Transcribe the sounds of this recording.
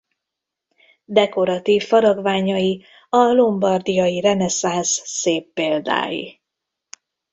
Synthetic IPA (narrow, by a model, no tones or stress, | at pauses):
d̪ɛko̞ɾɒt̪iːfːɒɾɒɡvaːɲɒji | ɒlombɒrd̪ijɒjirɛnɛsansːeːpːeːld̪a̰ːjḭ